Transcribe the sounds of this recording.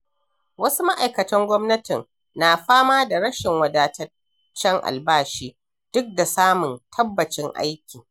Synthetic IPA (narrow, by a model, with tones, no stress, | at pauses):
wɐ˦su˦ma˦ʔa˨jkɐ˨tɐ˦ŋɡʷɔ˦mnɐ˦tɪ˨n | naː˨ɸaː˦maː˦da˨ɽɐ˦ʃɪ˨ŋwɐ˨daː˨tɐ˦ | t͡ʃːɛ˦ŋʔa̰˨lbaː˦ʃiː˦ | d̥ʊ˦k̚da˨saː˦mʊ˨ntʰɐ˦bːɐ˨t͡ʃɪ˦ŋʔa̰˦jkʲiː˨